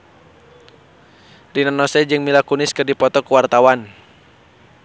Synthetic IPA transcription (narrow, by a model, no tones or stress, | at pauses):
rinanɔsɛd͡ʒɨŋmilakunɪskɨrdipɔt̪ɔkuwart̪awan